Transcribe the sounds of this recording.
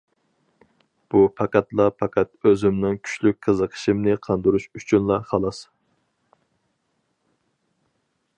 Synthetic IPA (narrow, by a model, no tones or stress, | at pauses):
b̥upʰɑqæt̪lˠɑpʰɑkʲɛt̪̚øzɪmnɪŋkʲʰy̥ʃlyk̚ʲqʰəzəqʰə̥ʃimnɪqʰɑnd̪uɾuʃyt͡ʃʰynlˠɑχɑlˠɑs